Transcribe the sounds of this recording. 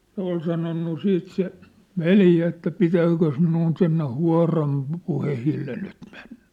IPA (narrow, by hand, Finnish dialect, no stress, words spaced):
se ol sɑnonːu siːt se ʋeljæ etːæ pitæːkøs minun sinːe huɑ̝rɑm pŭ puhehilːe nyt m̥e̥n̥ːæ̥